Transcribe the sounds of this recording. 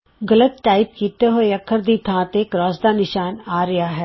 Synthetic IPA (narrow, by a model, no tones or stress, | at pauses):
ɡɐlət̪̚ʈaːɪp̚kit̪eɦojɐkʰːəɾd̪it̪ʰãːt̪eːkɾaːsd̪anɪʃaːnaːɾɐjaɦɛː